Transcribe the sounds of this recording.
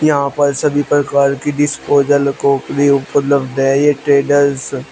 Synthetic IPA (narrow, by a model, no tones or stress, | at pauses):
jɐɦãpɐɾsɐbʱipɾɐkaːɾkiɖɪspoːd͡ʒəlkoːkɾiʊpəlləbd̪ɦɛ̃jeʈɾeːɖəɾz